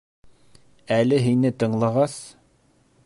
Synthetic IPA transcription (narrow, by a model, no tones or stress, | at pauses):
ælɘɦinɘt̪ɤ̆ɴlˠɑʁɑs